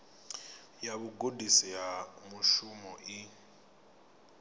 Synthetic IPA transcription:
jaβuɡodisijamuʃumɔʔi

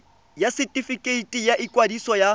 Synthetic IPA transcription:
jasitʼifikʼeitʼijaʔikʼwadisɔja

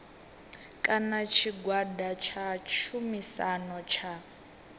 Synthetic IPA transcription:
kʼanat͡ʃʰiɡwadat͡ʃʰat͡ʃʰumisanɔt͡ʃʰa

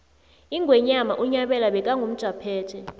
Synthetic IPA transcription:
iŋɡwɛɲamaʔuɲaɓɛlaɓɛk̬ʼaŋɡum̩d̥ʒ̥ʱapʰɛ̥ːtʰʼɛ

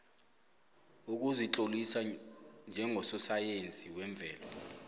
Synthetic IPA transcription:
uk̬uziǁolisand͡ʒʱɛŋʱɔsɔsajent͡sʼiwɛɱb̪vʱɛːlɔ

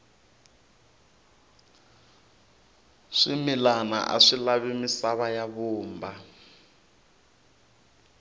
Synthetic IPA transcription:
ʂimilana̰ʔa̰ʂilaβimisaβajaβuːmba

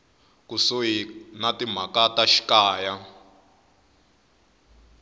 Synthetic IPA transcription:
kusoɦinatim̤akataʃi̥kaːja

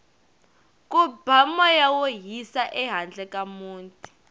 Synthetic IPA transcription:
kʼubʱamɔjawoɦisaʔɛɦand͡ɮʱɛkʼamuːntʼi̥

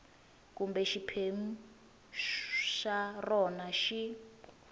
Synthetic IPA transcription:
kumbɛʃipʰemu | ʃarɔnaʃi

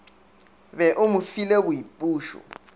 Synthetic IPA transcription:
βɛʔʊmufileβujipʼuːʃɔ̰

